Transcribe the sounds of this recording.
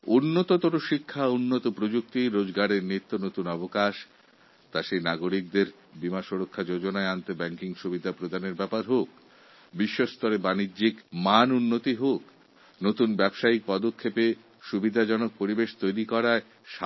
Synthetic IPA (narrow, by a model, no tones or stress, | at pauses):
unːot̪ot̪oɾoʃikʰːaunːot̪opɾod͡ʑuk̚t̪iɾod͡ʑɡaɽeɾnit̪ːonot̪unɔbokaʃ | t̪aʃenaɡoɾik̚d̪eɾ | bimaʃoɾokʰːad͡ʑod͡ʑonaeant̪ebɛŋkiŋʃubid̪ʱapɾod̪ʱaneɾbɛpaɾɦok̚ | biʃːost̪ɔɾebanidːd͡ʑikmanunːot̪iɦok | not̪unbɛbʃaik̚pɔd̪okʰːepe | ʃubid̪ʱad͡ʑɔnok̚poɾibeʃt̪ojɾikɔɾae | ʃa